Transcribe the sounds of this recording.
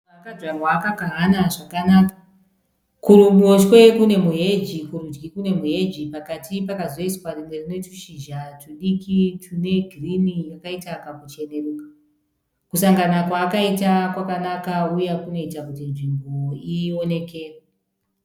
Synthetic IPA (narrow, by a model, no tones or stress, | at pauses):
kadwarwaːkaɡaɦanaʐakanaːkḁ | kuɾumot͡ʃkwe̞kune̞muɦe̞d͡ʒikuɾud͡ʒɡikune̞muɦe̞d͡ʒipakatʰipakazo̞iswarimwe̞rine̞t͡ʃu̥ʃiʒat͡ʃuɗikitʰune̞ɡʱirinijakaitakakut͡ʃe̞ne̞ruːkḁ | kusaŋɡanakwaːkaitakwakanakaujekuno̞itakutinʐimboione̞ke̞ːra